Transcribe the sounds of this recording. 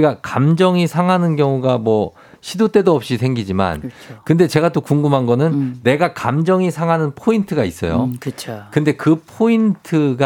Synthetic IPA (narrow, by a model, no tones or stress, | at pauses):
iɡakamd͡ʑʌŋisʰaŋɦanɯnkjʌŋuɡamwʌ | ɕʰidut͈e̞doʌp̚ɕ͈isʰe̞ŋɡid͡ʑima̰nkɯnde̞t͡ɕe̞ɡat͈okuŋɡɯmɦanɡʌnɯnːe̞ɡakamd͡ʑʌŋisʰaŋɦanɯnpʰointʰɯɡais͈ʌ̰jo̰kɯt͡ɕʰokɯnde̞kɯpʰointʰɯɡ